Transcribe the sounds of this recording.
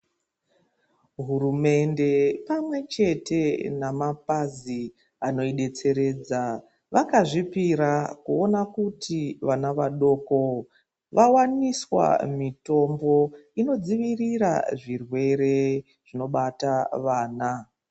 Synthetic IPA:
ɦuɾume̞nde̞pamwe̞t͡ʃe̞te̞namapazi | ano̞iɗe̞t͡se̞ɾe̞ːd͡za | ʋakaʐipiɾakuo̞nakutʰiʋanaʋaɗo̞ːko̞ | ʋawaniswa̰mito̞mbo̞ino̞d͡ziʋirira̰ʐirwe̞ɾe̞ | ʐ̥ino̞ɓataʋaːna

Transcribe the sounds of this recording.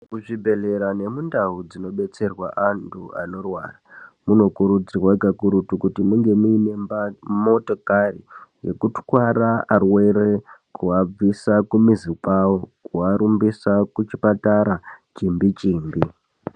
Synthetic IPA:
kuʐibʱe̞ɮe̞ɾane̞mundaɦud͡zino̞ɓe̞t͡se̞rwaʔantʰua̰no̞rwa̰ːramuno̞kuɾud͡zirwaɡʱakuɾutukutimuŋɡe̞muine̞amoto̞karḭje̞̰kutkwaɾaarwe̞ɾekuab͡visakumizipawokuaɾumbisakut͡ʃipataɾat͡ʃimbit͡ʃiːmbi

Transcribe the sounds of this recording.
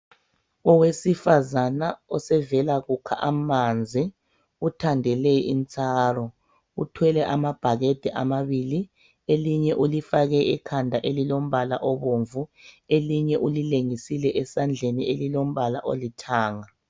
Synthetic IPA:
ɔwesifazanaɔsɛvɛlaɣukʰa̰ʔamand͡zʱi | utʰandʱɛlɛint͡sʼaːrɔ | utʰwɛlɛʔamab̥ʱaɣed̥ʱɛʔa̰maβili | eliɲɛʔulifaɣɛʔɛkʰandʱaʔelilom̩βala̰ʔɔβoɱvueliɲɛʔulileŋisilɛʔɛsand͡ɮʱenielilom̩βalaʔo̰litʰaːŋa

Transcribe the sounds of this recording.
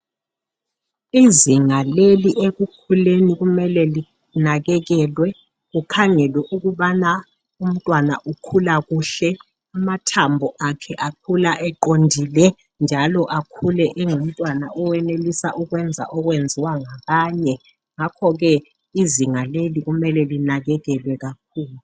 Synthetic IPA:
iziŋaleliʔeɣukʰuleniɣumɛlɛli | naɣɛɣɛːlwɛ | ɣukʰaŋɛlwɛʔuɣuɓana | um̩tʼwana̰ʔukʰulaɣuːɬɛ | amatʰambʱɔʔakʰɛʔakʰulaʔɛǃondʱiːlɛ | nd͡ʒʱalɔʔakʰulɛʔɛŋum̩tʼwanaʔɔwɛnelisaʔuk̬wɛnd͡zʱa̰ʔɔk̬wend͡zʱiwaŋak̬aːɲɛ | ŋakʰɔk̬ɛ | iziŋalelik̬umɛlɛlinak̬ɛk̬ɛlwɛk̬ak̚ʰuːlu

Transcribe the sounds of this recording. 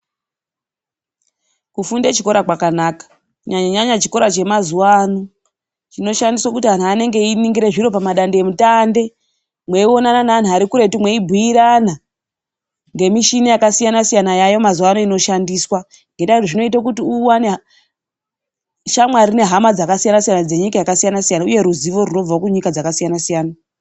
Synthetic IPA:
kufundet͡ʃiko̞ɾakwakanakḁ | uɲaɲaɲat͡ʃiko̞ɾat͡ʃe̞mazuwaːno | t͡ʃino̞ʃandiswakutiɦan̤uane̞ŋɡe̞iniŋɡiɾe̞ʐiɾo̞pamaɗandeemutande̞ | mwe̞io̞nananaːn̤uaɾikuɾe̞timwe̞ibʱuiɾana | ŋɡe̞miʃinijakasijanasijanajajo̞mazuwanoino̞ʃandiːswa | ŋɡe̞ndautoʐino̞itakutiuwane | ʃamwarine̞ɦamad͡zakasijanasijanad͡ze̞ɲikajakasijanasijanauje̞ɾuziʋo̞runo̞b͡vaakuɲikad͡zakasijanasijaːna

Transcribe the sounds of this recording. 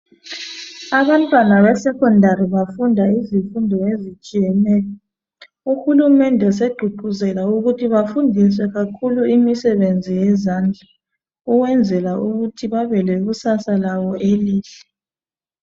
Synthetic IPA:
aβantʼwanaβɛsɛkɔndʱaɾiβafundʱaizifundʱɔezit͡ʃʼijɛnɛːlɔ | uxulumɛndʱɛs̬eɡ͡ǃʱuǃʱuzɛlauɣutʰiβafundʱis̬wɛɣakʰuluimisɛβend͡zʱijɛzand͡ɮʱa | uwɛnd͡zʱɛlaʔuɣutʰiβaβɛlɛɣusasalawɔʔeliːɬɛ̥

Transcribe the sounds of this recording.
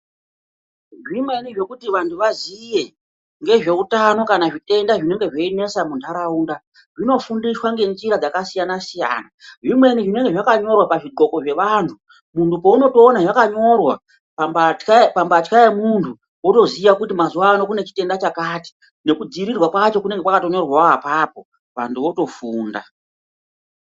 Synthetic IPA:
ʐimwe̞niʐe̞kutiʋantʰuʋazije̞ | ŋɡe̞ʐe̞utano̞kanaʐite̞ndaʐine̞ŋɡe̞ʐeine̞samundʰʱaɾauːnda | ʐino̞fundiswaŋɡe̞nʐiɾad͡zakasijanasija̰ːnaʐimwe̞niʐine̞ŋɡe̞ʐakaɲo̞rwapaʐiɡo̞ko̞ʐe̞ʋantʰu | muntupo̞uno̞to̞ːnaʐakaɲo̞rwa | pmbakapambatkaemuntʰu | woto̞ziʋakutimazuwaːno̞kune̞t͡ʃi̥te̞ndat͡ʃakati̥ | ne̞kud͡ziɾirwakwat͡ʃo̞kuneŋɡe̞kwakato̞ɲo̞rwaapaːpo̞ | ʋantʰuʋo̞to̞fuːnda̰

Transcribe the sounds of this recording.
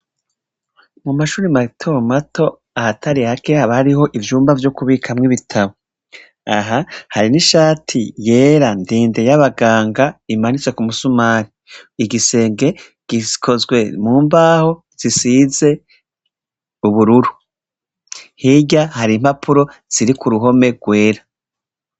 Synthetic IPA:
mumaʃuːɾimatʰomatʰo̞ | ahatʰaɾihake̞haβaaɾiho̞ʔivjuːmbavjokuβikʰamŋiβitʰaβo | aɦahaɾiniʃaːtʰije̞ːɾandiːnde̞jaβaɡaːŋɡaimanit͡se̞kumusumaːɾi | iɡise̞ːŋɡe̞ | ɡ̥ikʰo̞zɡwe̞muːmbaːho̞ | z̥isiːze̞ | uβuɾuɾu | hiɟahaɾim̥hapʰuɾo̞z̥iɾikuɾuɦo̞me̞ɡwe̞ːɾa

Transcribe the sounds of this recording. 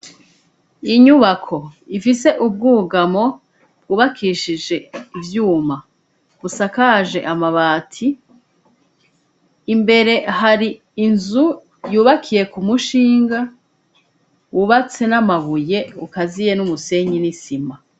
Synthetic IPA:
iɲuβakʰo̞ifise̞ʔub̚ɡuːɡamo̞ | b̥̚ɡuːβakʰiʃiʒe̞ivjuːma | β̥usakaʒe̞ʔamaβaːtʰi | mbe̞ɾe̞ɦaɾiː | nzu | juːβakʰije̞kumuʃiːŋɡa | wuβat͡se̞namaβuje̞ukazije̞numuse̞ɲinisima

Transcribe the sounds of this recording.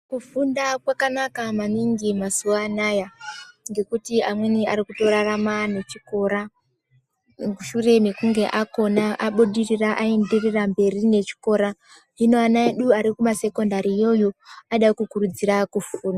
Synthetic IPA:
kufundakwakanakamaniŋɡimasuaːnajaŋɡe̞kutiamwe̞niaɾikuto̞ɾaramane̞t͡ʃiko̞ːɾa | kuʃure̞mekuŋɡe̞ʔako̞naʔaɓuɗiriraʔaendirirambe̞rine̞t͡ʃi̥ko̞ːɾa | inoanaeɗuaɾikumase̞ko̞ndaɾiːjo̞jo̞aɗakukurud͡ziɾakufuːna

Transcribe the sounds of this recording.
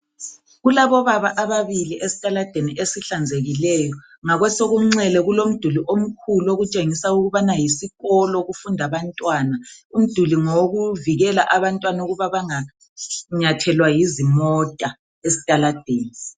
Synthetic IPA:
ɣulaβɔβaβaʔaβaβiliʔesi̥tʼalad̥ʱeniʔesiɬand͡zʱeɣilɛːjɔ | ŋaɣwɛsoɣum̩ŋ͡ǀɛlɛɣulom̩d̥ʱuliʔom̩kʰuloɣut͡ʃʼeŋisauɣuβanajisiɣɔlɔɣufundʱaβantʼwaːnaum̩d̥ʱuliŋoɣuviɣɛlaʔaβantʼwanauɣuβaβaŋa | ɲatʰɛlwajizimɔtʼa | esi̥tʼalad̥ʱeːni

